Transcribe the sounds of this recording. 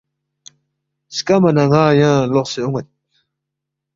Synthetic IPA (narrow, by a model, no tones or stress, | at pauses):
skamanaŋaːjãloχseʊŋat̪̚